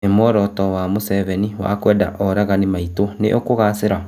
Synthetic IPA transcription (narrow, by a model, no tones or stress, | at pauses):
emɔɾɔtɔwamosɛvɛniwa̰kwɛːda̰ʔɔɾaɣanemaitonḛʔokoɣaseɾa